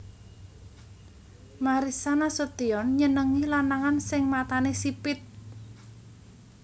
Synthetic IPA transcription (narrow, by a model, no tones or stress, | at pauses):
maɾisanasot̪iɔnɲənəŋilanaŋansɪŋmat̪anesipɪt̪̚